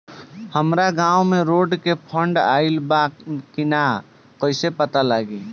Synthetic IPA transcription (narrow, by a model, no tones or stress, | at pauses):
həmɾaɡãːwmẽɾoːɖkepʰəɳɖa̰ːɪlbakina | koɪsepət̪alaɡi